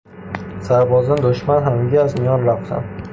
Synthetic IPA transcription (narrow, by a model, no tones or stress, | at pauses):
saɾbɒzd̪and̪ʊʃmanɦamɪɡʲaːzmɪjɒnɾawsa̰m